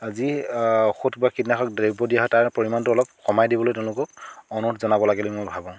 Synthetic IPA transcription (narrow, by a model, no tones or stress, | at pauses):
aziɔxutbakitnaxʰɔk̚deɹibɔdijaɦɔjtaɹpoɹimantʊɔlɔp̚xɔmajdibɔlojteʊ̃lʊkɔkɔnɔtʰzɔnabɔlaɡɛlojmojbʱabɔ̃